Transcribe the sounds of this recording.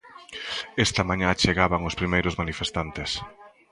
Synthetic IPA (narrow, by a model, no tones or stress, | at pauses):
ɛst̪ɐmãɲãt͡ʃeɣaβaŋospɾimejɾʊzmanifest̪ant̪es